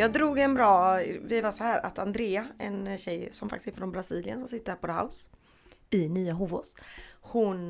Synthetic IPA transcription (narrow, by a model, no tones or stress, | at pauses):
jɑːɡd̪ɾuːɡɛnbɾɑːvɪvasɔhæːɾa̰t̪and̪ɾeːaɛnɕɛjsɔmfakt̪ɪsɪfɾɔnbɾasiːlɪənsɔmsɪt̪ːəpʰɔd̪ɦa̰ʊs | ɪnyːaɦuːvoshʊn